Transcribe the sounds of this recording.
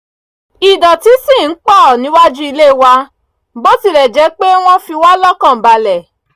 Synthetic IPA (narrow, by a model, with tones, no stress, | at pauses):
i˨dɔ˨ti˨˦sĩ˦˨n̩˦k͡pɔ˦˨nĩ˨˦wa˦d͡ʒu˦i˧le˦˨wa˧ | bo˦ti˧˨ɾɛ˨d͡ʒɛ˨˧˦k͡pe˦w̃ɔ̃˦fi˧wa˦lɔ˦kã˦˨ba˧lɛ˨